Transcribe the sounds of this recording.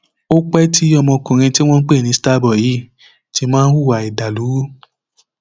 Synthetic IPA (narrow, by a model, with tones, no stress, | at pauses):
o˦k͡pɛ˦tʰi˦ɔ˧mɔ̃˧kũ˨ɾ̃ĩ˧ti˦w̃ɔ̃˦n̩˦k͡pe˦˨nĩ˧sta˦bɔ˨ji˨˦ | ti˦mãː˦n̩˦wu˦˨wa˨i˨da˨lu˨˦